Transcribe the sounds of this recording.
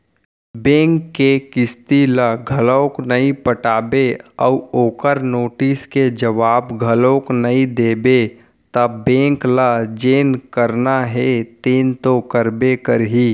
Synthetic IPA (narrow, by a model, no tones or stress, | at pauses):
bẽːŋkːekɪst̪ilaɡʱələknəĩpəʈaːbeəuoːkəɾnoːʈisked͡ʒəʋaːbɡʱəloknəĩd̪eːbe | t̪abẽːŋklad͡ʒeːnkəɾnaɦet̪eːnt̪okəɾbekəɾɦiː